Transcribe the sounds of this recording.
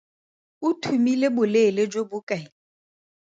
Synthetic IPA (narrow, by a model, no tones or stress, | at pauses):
utʰumilebʊleled͡ʒobʊkʼaɪ